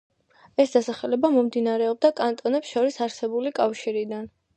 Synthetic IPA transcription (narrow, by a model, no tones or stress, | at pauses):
ɛsd̪asaχɛlɛbamɔmd̪inaɾɛɔb̚d̪akʼant̪ʼɔnɛpsʃɔɾisaɾsɛbulikʼafʃiɾid̪an